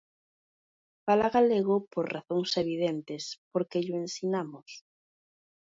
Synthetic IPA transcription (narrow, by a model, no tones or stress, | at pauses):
palaɣaleɣopoɾraθoŋseβ̞iðent̪espoɾkeʎʊensinamʊs